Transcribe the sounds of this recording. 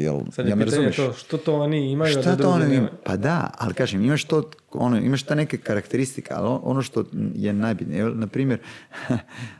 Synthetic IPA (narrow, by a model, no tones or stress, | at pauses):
jɛ̰lsajameɾazumjeʃʃt̪ot̪ooniimajut̪ot̪ooniimapad̪aa̰likaːʒemimaʃt̪oo̰noimaʃt̪enekekaɾakt̪eɾist̪i̥kea̰loʔo̰noʃt̪ojenajbit̪nɲejelnapɾiːmeɾ